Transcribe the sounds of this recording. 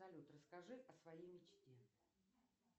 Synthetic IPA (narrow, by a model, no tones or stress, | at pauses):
ɐlʲut̪rəskɐʐɨʔɐsvɐjejmʲɪt͡ɕtʲe̞